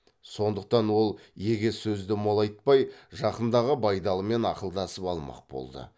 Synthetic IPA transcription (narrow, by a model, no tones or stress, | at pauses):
so̞nd̪əq̚t̪ɑnwo̞lˠjeɡʲesɵzd̪ɪmo̞lˠɑjt̪̚pɑjʒɑqənd̪ɑʁəbɑjd̪ɑlˠəme̞nɑqəlˠd̪ɑsəpɑlˠmɑ̰q̚bo̞̰lˠd̪ə̰